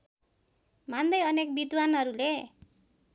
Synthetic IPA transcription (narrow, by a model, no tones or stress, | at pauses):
mand̪ʌjʌnek̚bid̪wanʌɾule